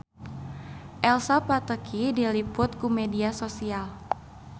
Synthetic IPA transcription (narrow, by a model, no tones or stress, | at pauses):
ʔɛlsapat̪əkʰidilipʊt̪̚kumediasosial